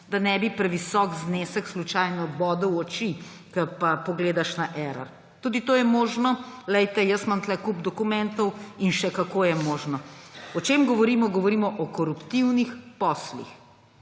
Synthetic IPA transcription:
d̪anɛbipɾɛʋisɔkzneːsəkslut͡ʃajnɔbɔːd̪əwɔt͡ʃi | kɐpapɔɡleːd̪aʃnaʔɛɾa̰ɾ | t̪uːd̪it̪oːjɛmoːʒnɔlɛjt̪ɛjəsmant̪lɛkupd̪ɔkumɛnt̪ɔwinʃɛkakoːjɛmoːʒnɔɔt͡ʃemɡɔʋɔɾiːmɔɡɔʋɔɾiːmɔʔɔkɔɾupt̪iwnixpɔslḭx

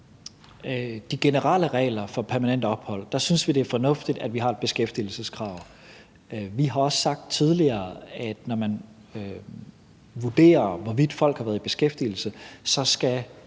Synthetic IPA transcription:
d̥iɡ̥e̝nəʁɑ̰ləʁɛ̰ːlɐfɒ̽pʰæɐmænen̰d̥əɒ̽b̥hɒ̽l̰d̥ɑ̈synsʋid̥e̝æɐfɒ̽nɔ̽fd̥id̥æd̥ʋiɦɑ̈e̝d̥̚b̥e̝sɡ̥efd̥ḭːl̩səskʰʁɑ̈ʊ̰ | ʋiɦɑ̈ɒ̽ssɑ̈ɡ̥̚d̥̚t͡sʰið̞ˠliɐːæd̥nɒmæn | ʋud̥e̝̰ːɐʋɒʋid̥fɒ̽l̰ɡ̥hɑ̈ʋæːɐðˠib̥e̝sɡ̥efd̥iːl̩səsɒ̽sɡ̥æ

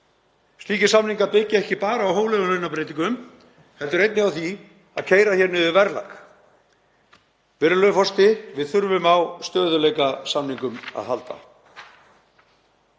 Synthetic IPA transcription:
st̪liːcɪsamniŋkapɪcːɪɛhcɪpaːɾaawɦoːwlɛɣʏlœɥnapɾeːjt̪iŋkʏm | hɛlt̪ʏɾejt̪nɪawθi | a̰ðcʰeːjɾaçɛɾnʏðɪvɛɾla̰k | vɛɾʏlœfɔst̪ɪvɪðθʏɾvʏmawst̪œːðʏlejkasamniŋkʏma̰ðhalt̪a̰

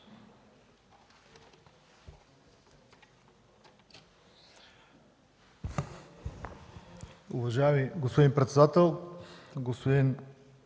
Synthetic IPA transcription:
ʊvɐʒaɛmiɡospod̪inpɾɛt̪sɛd̪at̪ɛlˠɡospod̪in

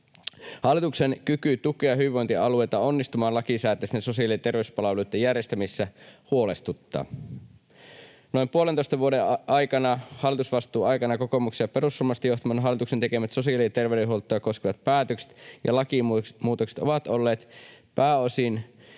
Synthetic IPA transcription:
hɑlːˑit̪uksenkykyt̪ukˑejɑɦyiʋoint̪iɑluejt̪ɑonːist̪umɑːnlɑkisæːt̪ːˑeseso̞siɑliet̪e̞rʋeyspɑlɑʋuluit̪ːejærjest̪æmisːæhuolest̪ut̪ːɑ̰ː | no̞impuolent̪oist̪ɑʋuodeʔɑjkɑnɑhɑlːˑit̪usʋɑst̪ˑuːɑjkɑnɑkokomuksiɑpe̞rusːulmɑst̪ɑjoht̪ɑmɑnɦɑlːˑit̪uksent̪ekemæt̪so̞siɑliɑt̪erʋedeɦuolt̪ːˑojɑkosk̟eʋɑt̪̚pæːt̪økse̥t̪jɑ̰lɑkimuːt̪okse̥t̪oʋɑt̪olːeːt̪pæːosin

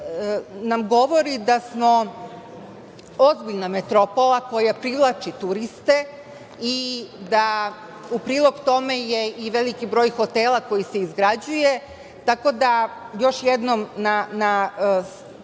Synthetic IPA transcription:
namɡo̞ʋo̞ɾid̪asmo̞ | ozbiʎnamet̪ɾo̞po̞lˠako̞japɾiʋlˠat͡ʃit̪uɾist̪e̞ | id̪a | upɾiːlˠo̞ɡt̪o̞me̞je̞iʋe̞likibɾo̞ːjxo̞t̪e̞ːlˠako̞jiseizɡɾad͡ʑuje̞ | t̪ako̞d̪a | jo̞ʃjed̪nomnana

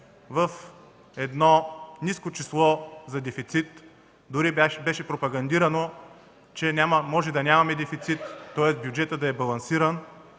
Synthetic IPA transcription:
vɐf | ɛd̪nɔniskot͡ʃislˠɔzɐd̪ɛfit̪sit̪ | d̪ʊɾibɛʃɛpɾopɐɡɐnd̪iɾɐno | t͡ʃɛnʲamɐmɔʒɛd̪ɐnʲamɐmɛd̪ɛfit̪sit̪ːɔɛsbjud͡ʒɛt̪əd̪ɐɛbɐlˠɐnsiɾən

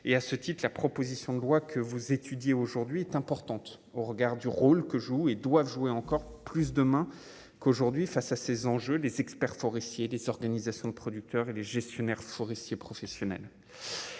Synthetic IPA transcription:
easət̪it̪χlapχɔpozisjɔ̃d̪əlwakʰəvuzet̪ʰyd̪jeoʒuʁd̪ɥiɛt̪ɛ̃pɔʁt̪ɑ̃t̪ | oʁəɡaʁd̪yʁolkəʒued̪wavʒuweɑ̃kɔʁplys̬d̪əmɛ̃ | koʒuʁd̪ɥifasasezɑ̃ʒølezɛkspɛʁfɔʁɛst̪jelezɔʁɡanizasjɔ̃d̪əpχɔd̪yk̚t̪œʁeleʒɛst̪jɔnɛʁfɔʁɛst̪jepχɔfɛsjɔnɛ̰l

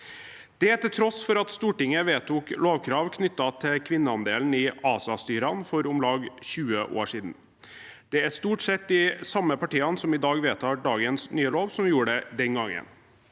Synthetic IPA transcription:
d̪̥ɛæʈ̪ɪlt̪ʰɾɔsfɔɾɑt̪st̪uːʈɪŋəʋeːt̪uːkloːʋkʰɾɑːʋkʰnʏt̪ːɑt̪ʰɪkʰʋɪnːəɑnd̪eːln̩ɪɑːsɑst̪yːɾɑnfɔɾɔmlɑːɡçʉːəʔo̰ːʂiːd̪n̩ | d̪̥ɛæʂt̪uːʈsɛt̪ːɪsɑmːəpɑʈiːɑnsɔmɪd̪ɑːɡʋeːt̪ʰɑːɖɑːɡənsnyːəloːʋsɔmjuːɖɛd̪ɛŋɡɑŋːə̰n

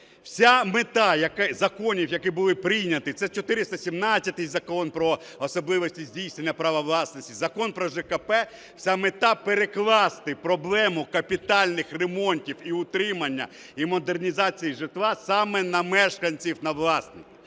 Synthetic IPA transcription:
w̥sʲamet̪ɑjɐkɪzɐkɔnʲiwjɐkɪbʊlˠɪpɾɪjnʲɐt̪ɪt̪sɛt͡ʃɔt̪ɪɾɪst̪ɐsʲimnɑt͡sʲːɐt̪ɪjzɐkɔnpɾɔ | ɔsɔblˠɪʋɔsʲtʲizʲdʲijsnenʲːɐpɾɐʋɐʋlˠɑsnɔsʲtʲizɐkɔnpɾɔʒɛkɐpɛ | wsʲamet̪ɑpeɾeklˠɑst̪ɪpɾɔblˠɛmʊkɐpʲit̪ɑlʲnɪxremɔnʲtʲiwiʊt̪ɾɪmɐnʲːɐ̰ | imɔd̪ernʲizɑt͡sʲijiʒɪt̪ʋˠɑsɑmɛnɐmɛʃkɐnʲt͡sʲiwnɐʋlˠɑsnɪ

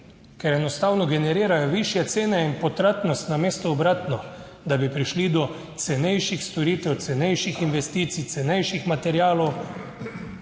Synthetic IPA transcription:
kɛɾɛnɔst̪aːwnɔɡɛnɛɾiːɾajɔʋiʃjɛt̪seːnɛinpɔt̪ɾaːt̪nɔst̪nameːst̪ɔːbɾaːt̪nɔ | d̪abipɾiʃlid̪ɔ | t̪sɛnɛjʃixst̪ɔɾiːt̪ɛwt̪sɛnɛjʃixinʋɛst̪iːt̪sit̪sɛnɛjʃixmat̪ɛɾjaːlɔw

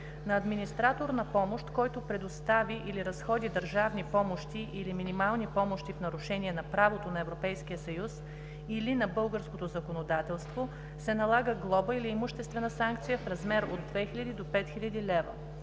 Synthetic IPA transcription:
nɐːd̪minist̪ɾat̪oɾnɐpɔmoʃt̪kɔjt̪opɾɛd̪ost̪aviʔiliɾɐsxɔd̪id̪əɾʒavnipɔmoʃt̪iʔiliminimalˠnipɔmoʃt̪ifnɐɾuʃɛniɛnɐpɾavot̪onɐɛvɾopɛjskijəsɐjus | ilinɐbɤlˠɡəɾskot̪ozɐkonod̪at̪ɛlˠst̪vo | sɛnɐlˠaɡəɡlˠɔbəiliːmʊʃt̪ɛst̪vɛnəsaŋk̚t̪sijəfɾɐzmɛɾod̪ːvɛxilʲɐd̪id̪opɛt̪xiʎʲɐd̪ilɛvə̰

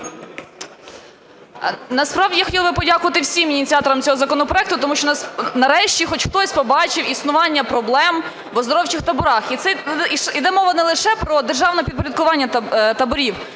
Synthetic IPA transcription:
nɐspɾɑwʲijaxɔtʲilˠbɪpɔdʲakʊʋɐt̪ɪwsʲiminʲit̪t͡sʲiɑt̪ɔɾɐmt͡sʲɔɦɔzɐkɔnɔpɾɔɛk̚t̪ʊt̪ɔmuʃt͡ʃɔnnɐɾɛʃt͡ʃʲixɔt͡ʃxt̪ɔsʲpɔbɑt͡ʃɪwisnʊʋɑnʲːɐpɾɔblˠɛm | ʋɔzd̪ɔɾɔwt͡ʃɪxt̪ɐbʊɾɑxit̪sɛʃid̪ɛmɔʋɐnɛlˠɪʃɛpɾɔd̪erʒɑwnɐpʲid̪̚p̬ɔɾʲɐd̪̚kʊʋɑnʲːɐt̪ɐbʊɾʲiw

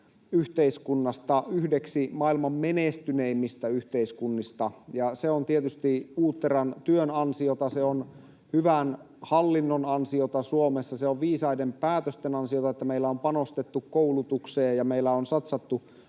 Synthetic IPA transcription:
yht̪eiskunːɑst̪ɑyhdeksimɑilmɑmmenest̪yneimːist̪æyht̪eiskunːist̪ɑjɑseont̪iet̪yst̪iuːt̪ːerɑnt̪yønɑnsiot̪ɑseon | hyʋæn | hɑlːinːonɑnsiot̪ɑsuomesːɑseoʋʋiːsɑidempæːt̪øst̪enɑnsiot̪ɑet̪ːæmeilːæompɑnost̪et̪ːukkoulut̪ukseːjjɑmeilːæonsɑt̪sɑt̪ːu

